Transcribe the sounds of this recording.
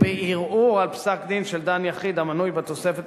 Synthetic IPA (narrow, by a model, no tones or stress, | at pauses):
beʔiʁuʁalpsakd̪inʃeld̪anjaχid̪amanujbet̪o̞sefet̪